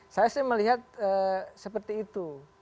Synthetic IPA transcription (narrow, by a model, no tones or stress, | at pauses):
sajasɛməliɦat̪̚əsəpərt̪iːt̪u